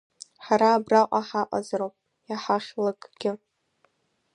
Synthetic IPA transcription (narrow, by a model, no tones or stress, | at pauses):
ħaɾaːbraqʷʼaħaqʷʼa̰zaɾowpʼ | jaħaχʲlakʼɡ̥ʲɪ